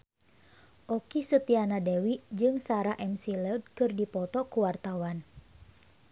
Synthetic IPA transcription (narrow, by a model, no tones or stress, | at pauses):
ʔɔkisət̪ianadɛwid͡ʒɨŋsaɾaʔɛmsilɛdkɨrdipɔt̪ɔkuwart̪awan